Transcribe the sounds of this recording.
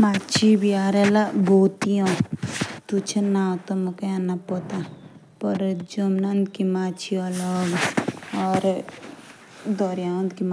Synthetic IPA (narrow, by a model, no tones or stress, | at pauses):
mat͡ʃʰibʱiaːɾelaboːt̪ijõ | t̪ut͡ʃʰenaːt̪omukãnapot̪a | pɐɾd͡ʒomnɐnd̪kimaːt͡ʃʰiɐləɡɔːɾ | d̪ɔɾjãnd̪kim